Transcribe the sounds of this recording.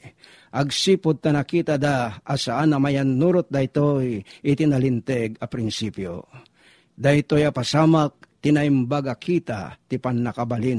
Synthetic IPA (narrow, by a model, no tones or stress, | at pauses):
ʔɐɡsipʊd̪̚t̪anakiːt̪ad̪aasaʔanamajanːuɾot̪̚d̪aɪt̪ojɪt̪ɪnalɪnt̪ɛɡɐpɾɪnsipjo̰ | d̪at̪ojapasaːmak̚t̪ɪnaimbaɡakʰit̪a̰t̪ipanːakabalin